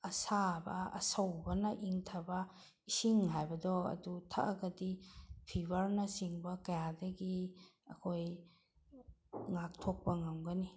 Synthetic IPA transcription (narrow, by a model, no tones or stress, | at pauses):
ɐsabɐ̰ɐ̰sɐwbɐnɐʔiŋtʰɐbɐ | isiŋɦajbɐdɔɐ̰dutʰaʔɐɡɐdipʰibɐɾnɐsiŋbɐkɐjadɐɡiɐ̰kʰoj | ŋak̚tʰok̚pɐŋɐmɡɐni